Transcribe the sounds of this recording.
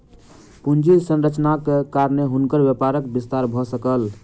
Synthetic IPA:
pund͡ʒisə̃nɾət͡ʃnakekaɾneɦunkəɾbjepaɾəkbist̪aɾbʱɔsəkəl

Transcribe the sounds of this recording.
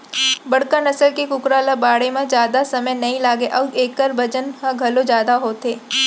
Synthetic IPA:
bɐɽkanɐsəlkekʊkɾaːlabaːɽemẽd͡ʒjaːd̪asɐməjnɐɦĩlaːɡeʔɐːbeːkːəɾbɐd͡ʒənkãɡʱɐlod͡ʒjaːd̪aɦoːt̪eː

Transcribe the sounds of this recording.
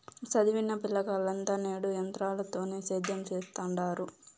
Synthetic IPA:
sɐd̪iʋinːɐpilːɐkaːlːɐnt̪ɐneːɽujɐnt̪ɾaːlɐt̪o̞ːneːseːd̪ʱːɐmt͡ʃeːst̪aɳɖaːɾu

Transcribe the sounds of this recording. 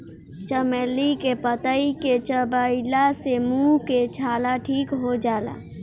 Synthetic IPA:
t͡ʃəmelikepət̪əiket͡ʃəbəilasemuket͡ʃʰalaʈʰikɦod͡ʒala̰

